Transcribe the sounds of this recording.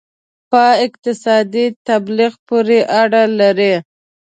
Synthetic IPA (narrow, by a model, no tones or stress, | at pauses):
pəɪqt̪ɪsɑd̪it̪abliɣpoɾeʔaɽalaɾi